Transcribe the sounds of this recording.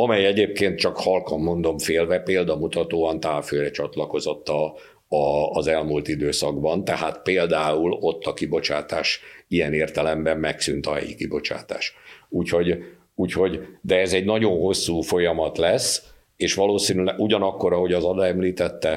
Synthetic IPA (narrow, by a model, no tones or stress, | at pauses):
ɒmɛjɛɟeːp̚keːnt̪̚t͡ʃɒkhɒlkɒmːo̞nd̪o̞mfeːlvɛpeːld̪ɒmut̪ɒt̪oːɒnt̪aːlføːɾɛt͡ʃɒt̪lɒko̞zo̞t̪ːɒ | ɒːzɛlmuːlt̪id̪øːsɒɡbɒnt̪ɛɦaːt̪peːld̪aːulo̞t̪ːɒkibo̞t͡ʃaːt̪aːʃijɛneːrt̪ɛlɛmbɛmmɛksy̰nt̪ɒɦɛ̰jḭkibo̞t͡ʃa̰ːt̪a̰ːʃuːcho̞ɟ | uːcho̞ɟd̪ɛɛzɛɟnɒɟo̞nɦo̞sːuːfo̞jɒmɒt̪lɛs | eːʃʋɒloːsiːnylɛɡuɟɒnɒkːo̞ɾɒho̞ɟɒzɒd̪ɒɛmliːt̪ɛt̪ːɛ